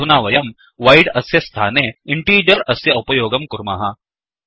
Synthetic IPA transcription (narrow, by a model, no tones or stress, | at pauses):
unaːʋɐjɐm | ʋɐjɽɐsjɐst̪ʰaːneːiɳʈiːd͡ʒɐɾɐsjɐupɐjoːɡɐmkuɾma̰ːɦɐ